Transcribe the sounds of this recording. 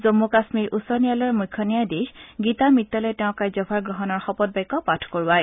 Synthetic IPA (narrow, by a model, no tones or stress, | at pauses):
zomːukasmiɹusɔɹnijalɔɹmujkʰːɔnijajdixɡitamitːɔlɛtɛʊ̃kajzɔpʰaɹɡɹɔɦɔnɔɹxɔpɔt̚bajkːɔpatʰkoɹwaj